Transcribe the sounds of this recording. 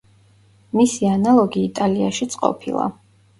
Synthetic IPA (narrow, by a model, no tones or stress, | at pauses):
misianalˠɔɡiːt̪ʼaliaʃit̪sʼqʼɔ̰pʰḭlˠa̰